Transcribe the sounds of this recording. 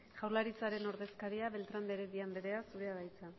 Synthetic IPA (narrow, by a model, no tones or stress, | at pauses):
ʝawɾlaɾit͡saɾe̞no̞ɾðe̞skaɾiaβe̞lt̪ɾand̪eɾeβiambe̞ɾe̞asuɾeaɣajt͡sa